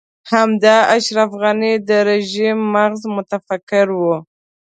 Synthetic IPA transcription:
hamd̪ɑaʃɾafɣanid̪əɾeʒimːaɣzmʊt̪afakɪɾwu

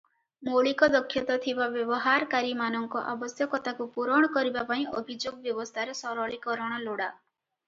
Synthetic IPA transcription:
moɭikɔd̪ɔkʰːjɔt̪ɔt̪ʰibabjɔbɔɦaɾkaɾimanɔŋkɔʔabɔsjɔkɔt̪akupuɾɔɽ̃ɔkɔɾibapaĩʔɔbʱid͡ʒoɡɔbjɔbɔst̪ʰaɾesɔɾɔɭikɔɾɔɽ̃ɔloɽa

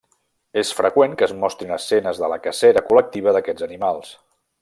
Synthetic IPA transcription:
esfɾəkweŋkəzmɔst̪ɾinəsːɛnəzðələkəsɛɾəkulək̚t̪iβ̞əðəkɛd͡zənimalˠs

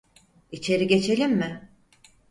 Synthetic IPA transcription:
it͡ʃʰe̞ɾiɟe̞t͡ʃʰe̞lʲimːɪ

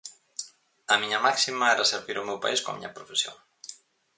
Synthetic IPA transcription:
ɐmiɲɐmaksimɐɛɾaseɾβiɾʊmewpa̰iskõɐ̰mḭɲɐpɾofesjo̰ŋ

